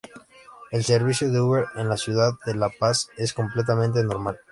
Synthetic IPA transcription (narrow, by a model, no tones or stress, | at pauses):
elseɾβ̞isjoðeuβeɾenlasjuðaððelapaseskomplet̪̬amẽnt̪̬enoɾmal